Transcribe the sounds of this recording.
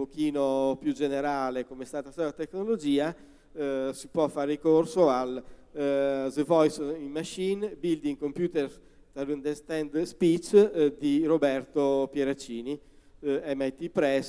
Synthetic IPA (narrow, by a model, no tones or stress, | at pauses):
pokiːnopjud͡ʒeneɾaːlekomest̪aːt̪asɔvat̪eknolod͡ʒiːa | sipwɔfːaːɾekorsoal | zvɔjsimːaʃinbild̪iŋkompjuːt̪eɾ | t̪alund̪ɛst̪ɛnd̪spit͡ʃd̪iɾobɛrt̪opjeɾat͡ʃːiːni | ɛmɛjt̪ːipɾɛs